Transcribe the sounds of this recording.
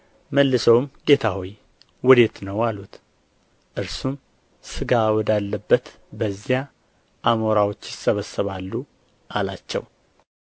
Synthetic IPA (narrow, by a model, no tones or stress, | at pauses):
məlːɨsəwmɡe̞t̪ʰaho̞j | wɔd̪e̞t̪nəwalut̪ | ʔɨɾsum | sɨɡawɔd̪alːəbːət̪ | bəzja | ʔamo̞ɾawot͡ʃːjɪsəβəsəβalːu | ʔalat͡ʃːɛ̰w